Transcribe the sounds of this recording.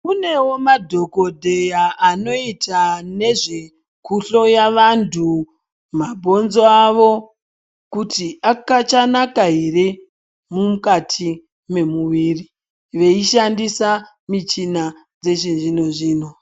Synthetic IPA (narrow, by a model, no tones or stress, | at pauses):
une̞wo̞madʱo̞ko̞dʱe̞jaʔːno̞itane̞ʐe̞ | kʰuɬo̞jaʋantʰu | mabʱo̞nzoaʋo̞ | kutiʔakat͡ʃanakaɦere | mumukatʰi | me̞muʋiːri | ʋe̞iʃandisa | mit͡ʃina | d͡ze̞t͡ʃinʐino̞ʐiːno̞